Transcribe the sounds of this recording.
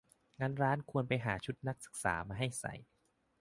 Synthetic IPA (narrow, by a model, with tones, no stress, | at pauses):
ŋaː˧nɾaː˦˥nkʰu˧ənpa˧jɦaː˩˦t͡ɕʰu˦˥t̪̚na˦˥k̚sɯ̥˨˩k̚sa̰ː˩˦maː˧ɦa˥˩jsa̰˨˩˦j